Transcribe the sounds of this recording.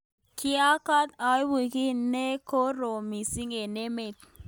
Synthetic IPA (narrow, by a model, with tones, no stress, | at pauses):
ki˦a˦ka˦t̪a˨˦jwi˨ki˦ne˦ko˦ɾo˨mi˨si˦ŋe˨ne˦me˨t̪̚